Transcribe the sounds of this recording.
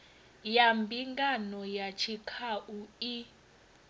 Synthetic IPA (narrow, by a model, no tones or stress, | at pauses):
jambʱiŋɡanɔjat͡ʃʰikʰaʔui